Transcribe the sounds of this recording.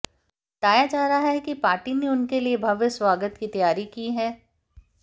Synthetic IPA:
t̪aːjad͡ʒaːɾaɦɛkipaːɾʈineʊnkeliebʱɐʋjəswaːɡət̪kit̪ɐjaːɾikiːɦɛː

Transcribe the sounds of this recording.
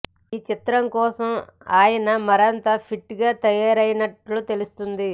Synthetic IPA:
iːt͡ʃit̪ɾɐmkɔːsɐmaːjɐnɐmɐɾɐnt̪aːpʰiʈːɡaːt̪ɐjaːɾɐjnɐʈlut̪e̞lust̪und̪i

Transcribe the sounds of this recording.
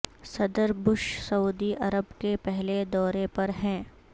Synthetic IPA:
sɐd̪əɾbʊʃsɐuːd̪iʔɐɾəbkepɛɦled̪ɔːɾepɐɾɦɛ̃ː

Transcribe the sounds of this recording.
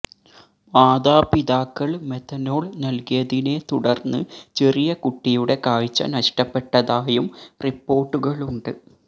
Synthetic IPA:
maːd̪aːpiðaːkːɐɭmet̪ːɐno̞ːɭnɐlkijɐðine̞t̪uɽɐrnːɨt͡ɕe̞rijɐkuʈːijuɽe̞kaːɻit͡ɕːɐ̰nɐʂʈɐpːe̞ʈːɐðaːjumripːo̞ːrʈːuɣɐɭuɳɖɨ

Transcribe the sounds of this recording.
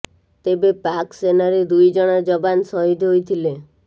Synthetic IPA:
t̪ebepaksenaɾed̪ujd͡ʒɔɽ̃ɔd͡ʒɔbansɔɦid̪ʱɦojt̪ʰile

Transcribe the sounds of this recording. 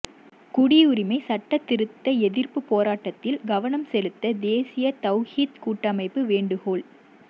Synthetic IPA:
kʊɽɪʊɾɪmɐɪsɐʈːɐt̪ːɪɾɯt̪ːɐɛðɪrpɯpːoːɾaːʈːɐt̪ːɪlɡɐʋɐnɐmsɛlɯt̪ːɐd̪eːsɪjɐt̪ɐʊhiːt̪kuːʈːɐmɐɪpːɯʋeːɳɖɯɣoːɭ

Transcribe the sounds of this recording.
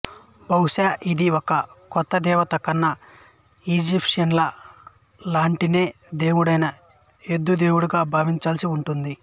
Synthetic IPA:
bɐwʃaːʔid̪iɔkɐkɔt̪ːɐd̪ɛːʋɐt̪ɐkːɐnːɐ | iːd͡ʒipʂɐnlɐ | laːɳʈine̞ː | d̪e̞ːwuɽɐjnɐ | ed̪ːud̪e̞ːwuɽuɡaːbʱaːʋiɲt͡ʃaːlsiuɳʈund̪i

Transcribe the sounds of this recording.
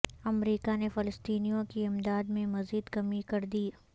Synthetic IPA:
ɐmɾiːkanefɪləst̪iːnijõkiɪmd̪aːd̪mẽmɐziːd̪kɐmikɐɾd̪iː

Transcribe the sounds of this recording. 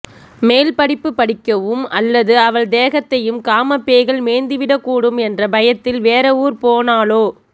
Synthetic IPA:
meːlpɐɽɪpːɯpːɐɽɪkːɐʋɯmɐlːɐðɯɐʋɐɭd̪eːɣɐt̪ːɐjɯmkaːmɐpːeːɣɐɭmeːnd̪ɯʋɪɽɐkːuːɽɯmɛndrɐbɐjɐt̪ːɪlʋeːɾɐuːɾpoːnaːloː

